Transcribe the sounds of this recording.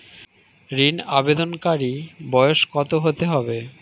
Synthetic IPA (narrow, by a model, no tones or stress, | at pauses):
ɾinabed̪onkaɾibɔjoʃkɔt̪oɦot̪eɦɔbe